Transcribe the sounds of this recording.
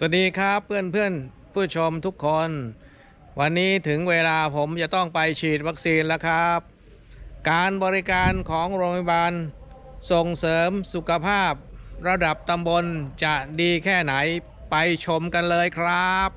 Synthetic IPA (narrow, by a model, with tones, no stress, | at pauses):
swa˨˩t̚diː˧kʰɾa˦˥pʰːɯ˥˩ənpʰɯ˥˩ən | pʰuː˥˩t̪̚t͡ɕʰo˧mt̪ʰu˦˥kʰːo˧n | wa˧nːiː˦˥t̪ʰɯ˩˦ŋweː˧laː˧pʰo˩˦mt͡ɕa˨˩t̪ɔ˥˩ŋpa˧jt͡ɕʰiː˨˩t̪̚wa˦˥k̚siː˧nlɛ˦˥kʰɾa˦˥p̚ | kaː˧nbɔː˧ɾi˦˥kaː˧nkʰɔː˩˦ŋɾoː˧pʰa˧baː˧n | so˨˩ŋsɤː˩˦msu˨˩kʰa˧pʰaː˥˩p̚ɾa˧da˨˩p̚t̪a˧mbo˧nt͡ɕa˨˩diː˧kʰɛː˥˩na˩˦j | pa˧jt͡ɕʰo˧mka˧nlɤː˧jkʰɾa˦˥p̚